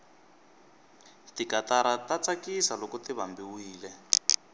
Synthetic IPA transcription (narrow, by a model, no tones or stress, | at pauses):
tikataɾatat͡sakisalɔkutiβambiwiːlɛ